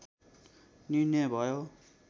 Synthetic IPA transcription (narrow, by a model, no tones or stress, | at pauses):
ninjʌjbʱʌjo